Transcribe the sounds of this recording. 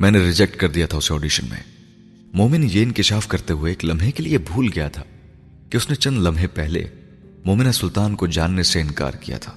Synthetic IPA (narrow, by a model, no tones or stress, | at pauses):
mɛ̃ːneɾɪd͡ʒɛk̚ʈkɐɾd̪ijat̪ʰaʊseɔːɖiːʃənmḛ̃ | moːmɪnjeːɪnkɪʃaːfkɐɾt̪eɦueːklɐmʱɦekeliebʱuːlɡɐjat̪ʰaː | kiʊsnet͡ʃɐ̃nd̪lɐmʱepɛɦlḛ | moːmɪnasʊlt̪aːnkod͡ʒaːnːeseɪnka̰ːɾkija̰t̪ʰḁː